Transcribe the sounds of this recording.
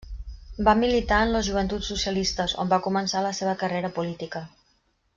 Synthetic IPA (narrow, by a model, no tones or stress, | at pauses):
bamilit̪aənləzʒuβ̞ənt̪usːusiəlist̪əzo̰mbakumənsaləseβ̞əkəreɾəpulit̪ikə